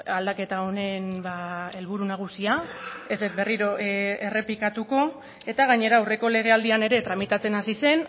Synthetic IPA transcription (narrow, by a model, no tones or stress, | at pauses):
ald̪ake̞t̪ao̞ne̞nbae̞lβ̞uɾunaɣ̞usiae̞zd̪et̪̚be̞riɾo̞e̞re̞plikat̪uko̞ | e̞t̪aɣ̞aɲe̞ɾaːwre̞ko̞le̞ɣ̞e̞ald̪iane̞ɾe̞t̪ɾamit̪at͡se̞nasise̞n